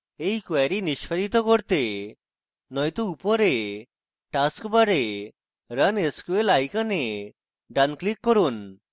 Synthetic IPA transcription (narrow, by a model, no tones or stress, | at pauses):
ejkwaɾiniʃpʰaɾit̪ɔkɔɽt̪e | nɔjt̪uupɔɾe | ʈaskbaɽe | ɾəneskuelajkane | ɖanklikːɔɾun